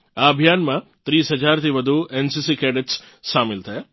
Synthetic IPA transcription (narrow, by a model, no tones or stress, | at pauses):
aɐbʱijaːnmãt̪ɾiːsɦɐd͡ʒaːɾt̪ʰiʋɐd̪ʱuʔensisikɛːɖeʈs | ʃaːmɪlt̪ʰɐjaː